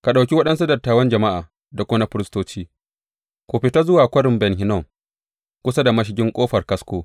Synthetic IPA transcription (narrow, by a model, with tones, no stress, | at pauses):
ka˨ɗa˨wkʲi˦wɐ˦ɗɐ˦ns̬u˦dɐ˨rtaː˨wɐ˦nd͡ʒɐ˨ma˦ʔa̰ː˨ | da˨kʷoː˦na˦ɸɪ˦ɾɪ˦stoː˦t͡ʃiː˦ | kʷoː˨ɸɪ˨ta˦zʊ˦waː˨kʷɐ˦ɽɪ˨mbɛ˨nɦɪ˨nɔ˦˨m | kʷʊ˦sa˦da˨mɐ˦ʃ̬ɪ˨ɡʲɪ˦ŋkʷʼoː˦ɸɐ˨rkɐ˦skʷoː˦